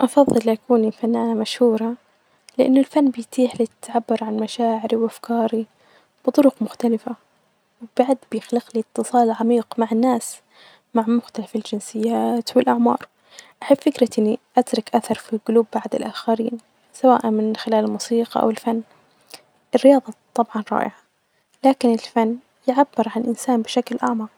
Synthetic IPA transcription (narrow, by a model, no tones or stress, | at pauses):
ʔɑfɑðˤːɨlːʔakuːnifanːaːnamaʃhuːɾˤɑ | lɪʔa̰nːʊlfanːbɪjt̪iːħlɪt̪ʕabːɑɾʕanmaʃaːʕɪɾiwʔafkɑːɾi | b̥ɨt̪ˤʊɾʊqmʊxt̪alɪfa | wb̥aʕd̪bɪjɪxlɪqlit̪ʰːɨsˤɑːlʕamiːqmaʕɪnːaːs | maʕmʊxt̪alafɪld͡ʒɪnsɪjːaːt̪wɪlʔaʕmɑ̰ːɾˤ | ʔaħɪbfɪkɾaʔɪnːiʔat̪ɾˤɑkʔaθɑɾˤfilɡʊluːbːaʕd̪ɪlʔaːxaɾiːn | sawa̰ːʔanmɪnxɪlaːlɪlmuːsiːqɑʔa̰wɪlfanː | ʔɪrːɪjɑːðˤɑt̪ˤːɑbʕɑnɾˤɑ̰ːʔɪʕa | laːkɪnɪlfanː | jɪʕabːɪɾˤʕanɪlʔɪnsaːnbɪʃaklʔaʕmɑ